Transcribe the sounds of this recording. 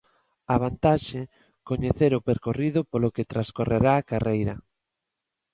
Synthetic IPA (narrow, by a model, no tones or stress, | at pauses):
aβ̞ant̪aʃe | koɲeθeɾʊpeɾkoriðʊpoloket̪ɾaskoreɾaːkarejɾɐ